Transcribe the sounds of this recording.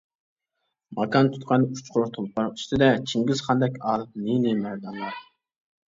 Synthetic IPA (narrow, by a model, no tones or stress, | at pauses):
mɑkʰɑnt̪ʰy̥t̪qʰɑnu̥t͡ʃqʰʊɾuɾt̪ʰolˠpɑɾi̥ʃt̪ɪd̪ɛt͡ʃʰiŋɡʲizχɑnd̪ɛkʲɑːlˠɨp̚ninɪmæɾd̪ɑnlˠɑɾ